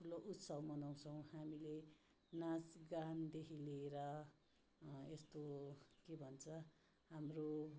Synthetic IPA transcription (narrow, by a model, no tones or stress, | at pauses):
pʰuloʔut̪sʌbmʌnaw̃t͡sʰʌw̃hamile | nasɡand̪ekʰileɾʌ | est̪okebʱʌnt͡sʰʌ | ɦamro